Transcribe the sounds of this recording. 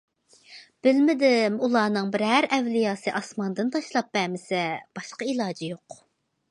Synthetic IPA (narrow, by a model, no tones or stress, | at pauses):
b̥ɪlmɪd̪ɪmulˠɑːnɨŋbɪɾɦæɾɛvlijɑːsɨʔɑsmɑnd̪ɨnt̪ʰɑʃlˠɑp̚ːɛmɪsɛb̥ɑʃqɑilˠɑːd͡ʒijoq